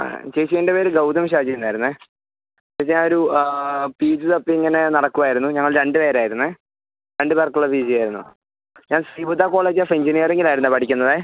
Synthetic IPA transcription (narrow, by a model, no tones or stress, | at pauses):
t͡ɕejt͡ɕːiendepeːɾɡɐwd̪ɐmɕ̬aːd͡ʑijunːaːjiɾunːɨ | peɲaːnoɾu | piːd͡ʑɨt̪ɐpːiiŋːɐne̞nɐɽɐkːuʋaːjiɾunːuɲɐŋːɐɭɾe̞ɳɖɨpeːɾaːjiɾunːɨ | ɾe̞ɳɖɨpeːrkːuɭːɐbiːd͡ʑijaːjiɾunːṵ | ɲaːnsriːbud̪ʱaːko̞ːɭeːd͡ʑafiɲd͡ʑinijɐre̞ŋɡilaːjiɾunːɨpɐʈʰikʲːunːɐðɨ